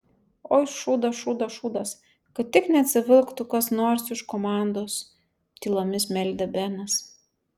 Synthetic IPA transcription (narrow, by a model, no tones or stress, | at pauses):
oːɪʃʃuːd̪ɐʃuːd̪ɐʃuːd̪ɐs | kɐt̪ʲtʲɪknʲɛɐt̪ʲsʲɪʋʲɪlˠkt̪ʊkɐsnoːɾsɪʃkomɑˑnd̪oːs | t̪ʲiːlˠoːmʲɪsmʲɛlʲd̪ʲɛbʲɛnɐs